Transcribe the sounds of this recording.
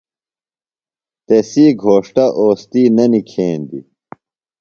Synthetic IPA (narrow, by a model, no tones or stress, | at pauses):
t̪esiːɡʱoːʂʈɐʔoːst̪iːnɐnikʰeːnd̪ḭ